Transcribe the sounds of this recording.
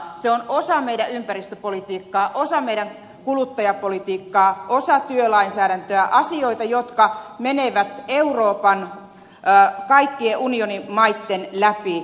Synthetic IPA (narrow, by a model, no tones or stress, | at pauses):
seonosɑmeiɾæympærist̪øpolit̪iːkːɑːʔosɑmeiɾæŋ | kulut̪ːɑjɑpolit̪iːkːɑːʔosɑt̪yølɑinsæːɾænt̪øæʔɑsioit̪ɑjot̪kɑmeneʋæt̪euroːpɑnː | kɑikːieʔunionimɑit̪ːenlæpi